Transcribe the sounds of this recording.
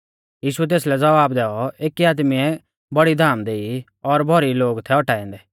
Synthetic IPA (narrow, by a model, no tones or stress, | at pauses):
jiːʃuɛt̪̬eːslɛd͡zɐʋaːbd̪ɛːɔeːkiaːd̪miɛ | bɐɽid̪ʱaːmd̪eːi | ɔɾbʱɔɾiloːɡt̪ʰɛɔʈaːɛ̃ːnd̪ɛː